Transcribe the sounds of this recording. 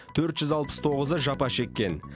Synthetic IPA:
t̪ʰɵɾt̪ʒ̥ʏzɑlˠpə̥st̪ʰo̞ʁəzəʒɑpɑʃe̞kʲːe̞n

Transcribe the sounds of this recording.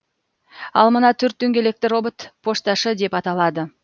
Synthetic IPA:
ɑ̰lˠmənɑt̪ʰʏɾt̪̚d̪ɵŋɡʲe̞le̞k̚t̪ɪro̞bət̪pʰo̞ʂt̪ɑʃəd̪e̞pɑt̪ɑlˠɑd̪ə

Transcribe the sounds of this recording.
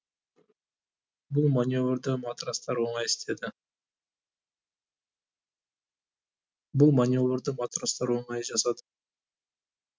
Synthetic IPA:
bʊlˠmanʲjo̞vɾd̪əmat̪ɾast̪ɑɾwo̞ɴɑjɪst̪ʰe̞d̪ɪ | bʊlˠmanʲjo̞vɾd̪əmat̪ɾast̪ɑɾwo̞ɴɑjʒɑsɑd̪ə̥

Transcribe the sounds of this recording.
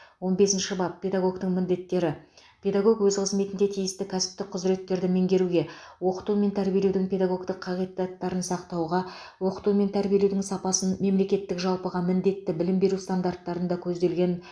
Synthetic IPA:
wonbe̞sɪnʃɪbɑp̚pʰʲe̞d̪aɡo̞ɡt̪əɴmɪnd̪e̞t̪ːe̞ɾɪ | pʰʲe̞d̪aɡo̞kwɵzqʰəzme̞t̪ɪnd̪e̞t̪ʰijɪst̪ɪkʲʰæsɪ̥p̚t̪ɪk̚qʰʊzɾe̞t̪ːe̞ɾd̪ɪmeŋɡʲe̞ɾuɡʲe̞wo̞qə̥t̪ume̞nt̪ʰæɾbielewd̪ɪŋpʰʲe̞d̪aɡo̞ɡt̪əqqʰːɑʁij̪ɑt̪ːɑɾənsɑqt̪ɑwʁɑ | wo̞qə̥t̪ume̞nt̪ʰæɾbije̞lewd̪ɪŋsɑpɑsənme̞mle̞kʲe̞t̪ːɪkʒɑlˠpəʁɑmɪnd̪e̞t̪ːɪbɪlɪmbe̞ɾust̪and̪art̪ːɑɾənd̪ɑkʲʰɵzd̪e̞lɡʲe̞n

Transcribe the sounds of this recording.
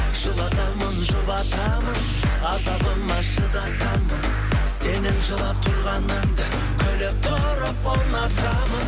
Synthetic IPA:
ʒ̥əlˠɑt̪ɑmənʒʊbɑt̪ʰɑmən | ɑzɑb̪ənmɑʃəd̪ɑt̪ɑmən | senɪnʒəlˠɑp̚t̪ʰʊɾʁɑnːɑnd̪ɑ | kʲʰɵlɪp̚t̪ʰo | ɾəponɑt̪ɾɑmən

